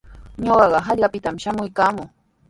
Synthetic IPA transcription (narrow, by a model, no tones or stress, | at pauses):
ɲoɢɑɢɑɦaʎɢapɪt̪amʃamʊjkaːmʊː